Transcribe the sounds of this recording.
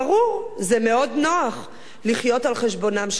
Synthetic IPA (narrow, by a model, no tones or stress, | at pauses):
ʁuʁzeme̞o̞dno̞aχ | liχjo̞talχe̞ʃbo̞namʃ